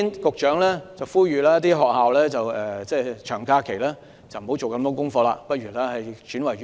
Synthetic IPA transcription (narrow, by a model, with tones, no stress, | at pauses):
nkʊ˨k̚t͡ʃœː˨˥ŋlɛː˥t͡sɐ˨wfuː˥ɥyː˨laː˥jɐ˥t̪̬ːiː˥ɦɔː˨k̚haː˨wlɛː˥t͡sɐ˨wɛː˨t͡sɛː˥˩t͡ʃʰœː˨˩ŋkaː˧kʰe˨˩jlaː˥ | t͡sɐ˨˩wm̩˨˩hwt͡so˨wkɐ˧mt̪ɔː˥ŋkʊ˥ŋfɔː˧laː˧pɐ˥t̚ɥyː˨˩laː˥hɐ˨jt͡ʃyː˨˥nwɐ˨˩j